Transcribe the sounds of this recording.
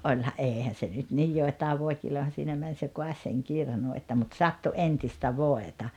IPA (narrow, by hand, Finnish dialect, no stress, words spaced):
ʔolʲhɑ ʔeːhæn̞ se nyt nij joˑetɑːʋ ʋoˑi̞kilojɑhɑn̞ siːnæ mæn se ʔkoɑsʲ seŋ kirnu etːæ mut sɑtːu ʔentistæ ʋoetɑ